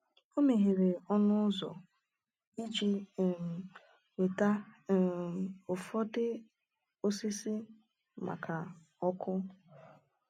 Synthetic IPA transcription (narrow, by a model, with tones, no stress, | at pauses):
o˦me˨ɦe˨ɾe˨ɔ˦nʊ˦zɔ̰˨ | i˦d͡ʒi˨ | we˨ta˦˨ | ʊ˨fɔ˦dɪ˦ | o˦si˦si˦ | mʔa̰˨kʰa˨ | ɔ˦kʰʊ˦